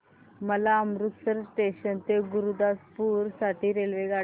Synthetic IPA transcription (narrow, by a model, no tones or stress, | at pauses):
məlaəmɾut̪səɾʈeɕənt̪eɡuɾud̪aspuɾsaʈʰiːɾelʋeɡa